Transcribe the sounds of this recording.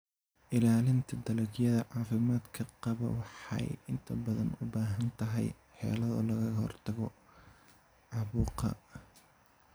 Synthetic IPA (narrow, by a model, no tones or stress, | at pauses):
ʔɪlaːlɪnt̪ʰɐd̪ɐlɐɡjɐðɐʕɑːfɪmaːd̪kʰɐqɑβɐ̰wɑħɑ̰jɪnt̪ʰɐbɐðɐ̰nʊbaːɦɐnt̪ʰɐɦɛj | ħɛ̰ːlɐðɐ̰lɐɣɐɣɐhɔ̰rt̪ʰɐɣɔ | ʕɑβuːqɐ̰